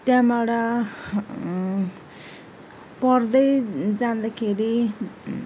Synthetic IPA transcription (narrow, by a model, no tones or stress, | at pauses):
t̪jãmaɽa | pʌrd̪ʌjd͡zand̪akʰeɾi